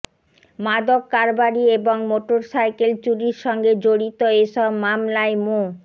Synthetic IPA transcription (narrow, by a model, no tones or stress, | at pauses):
mad̪okːaɾbaɾieboŋmoʈoɾsajkelt͡ɕuɾiɾʃɔŋɡed͡ʑoɽit̪oeʃɔbmamlaemo